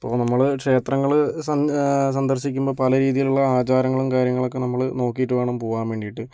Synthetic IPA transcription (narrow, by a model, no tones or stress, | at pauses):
ipːo̞̰ːnɐmːɐɭkʂe̞ːt̪rɐŋːɐɭsɐs̬ɐnd̪ɐrɕikʲːumbo̞ːpɐlɐɾiːðijiluɭːɐaːt͡ɕaːɾɐŋːɐɭumkaːɾjɐŋːɐɭo̞kːe̞nɐmːɐɭno̞ːkːijiʈːɨʋeːɳɐmpoːʋaːmʋe̞ːɳɖijiʈːɨ